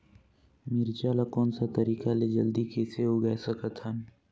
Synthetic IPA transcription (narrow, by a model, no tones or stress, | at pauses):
mɪɾt͡ʃaːlakɔːnsat̪ɐɾiːkaled͡ʒɐld̪ikeːseɦoɡɛːsəkət̪ɦən